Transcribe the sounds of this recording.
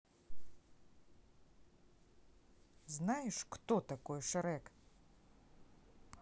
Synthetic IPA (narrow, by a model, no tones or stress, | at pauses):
znajɪʃkt̪ɔt̪akɔjɛʃaɾɛk